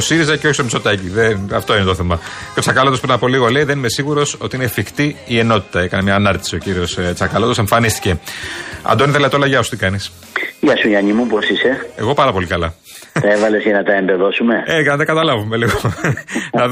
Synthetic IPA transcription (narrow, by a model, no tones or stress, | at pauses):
osiɾizɐceoçist̪omso̞t̪ɐciðeɐft̪o̞inet̪oθe̞mɐceot͡sɐkɐlot̪ospɾinɐpo̞liɣo̞leiðenime̞siɣuɾo̞so̞t̪iinefixt̪iːe̞no̞t̪i̥t̪ɐe̞kɐnemɲɐːnɐɾt̪i̥sio̞ciɾio̞st͡sɐkɐlot̪o̞se̞ɱfɐnist̪i̥ce̞ɐ̰d̪oniðelet̪olɐʝɐosu̥t̪ikɐnis | jɐsujɐɲimuposise̞e̞ɣo̞pɐɾɐpo̞likɐlɐ | t̪ɐevɐle̞zʝɐnɐt̪ɐembeðo̞sume̞eʝɐnɐt̪ɐɡɐt̪ɐlɐvumeliɣo | nɐ